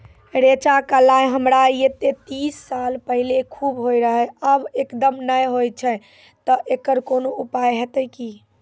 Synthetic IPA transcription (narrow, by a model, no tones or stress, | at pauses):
ɾet͡ʃakəlajɦəmɾaiet̪et̪isːalpəɦilekʰubɦojɾəɦəəbekd̪əmnəjɦojt͡ʃʰɛ | t̪əʔekəɾkonoupajɦet̪əki